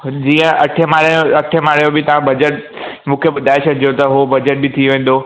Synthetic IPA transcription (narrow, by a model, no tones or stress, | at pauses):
d͡ʑiːə̃ʔɐʈʰemaːɾoɐʈʰemaːɾjõbɪt̪ɐʋ̤ãbɐd͡ʑəʈ̚ | mũːkʰeɓʊd̪ʱaːesʰəd͡ʑot̪ɐɦobɐd͡ʑəʈ̚bɪt̪ʰioʋẽːn̆d̪o